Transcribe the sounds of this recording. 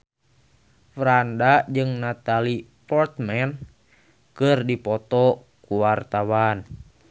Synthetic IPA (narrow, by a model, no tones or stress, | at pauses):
fɾandad͡ʒɨŋnat̪alipɔrt̪mɛn | kɨrdipɔt̪ɔ | kuwart̪awan